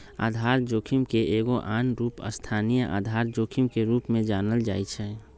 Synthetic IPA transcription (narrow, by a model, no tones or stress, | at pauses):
a̰ːd̪ʱaːɾd͡ʒoːkʰimkeʔeːɡoʔaːnɾuːpə̰st̪ʰaːnijəʔa̰ːd̪ʱaːɾd͡ʒoːkʰimkeɾuːpmẽd͡ʒaːnəld͡ʒa̰ːit͡ʃʰɛ